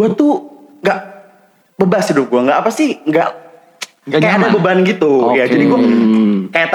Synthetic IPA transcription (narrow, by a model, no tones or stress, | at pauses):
at̪uŋɡaʔ | bəbashidʊp̚ɡuaŋɡaʔapasɪhŋɡaʔ | ŋakajaadabəbanɡit̪ujad͡ʒadiɡuakajat̪